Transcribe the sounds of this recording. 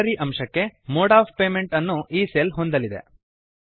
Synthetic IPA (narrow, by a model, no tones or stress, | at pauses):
ɐɾiʔɐmʂɐkːe̞moːɽaːppe̞ːme̞ɳʈɐnːuʔiːseːlɦo̞nd̪ɐlid̪e̞̰